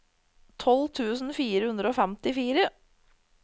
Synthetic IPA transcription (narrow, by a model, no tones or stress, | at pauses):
t̪ʰɔlt̪ʰʉːsn̩fiːɾəhʉnd̪ɾəoːfɛmt̪ɪfiːɾə